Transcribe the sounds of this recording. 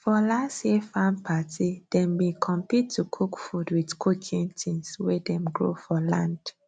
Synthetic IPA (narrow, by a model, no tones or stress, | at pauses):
fɔlasefãmpʰatʰid̥ɛ̃mːekʰɔ̃mpitʰːukʰukfudwidkʰukʰĩntʰĩnswɛdɛ̃mɡɹo̰fɔlãnd̥